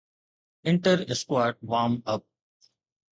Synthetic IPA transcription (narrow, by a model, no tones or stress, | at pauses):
ɪ̃ɳʈəɾɪskwaːɾʈ̚ʋãːmʌp̚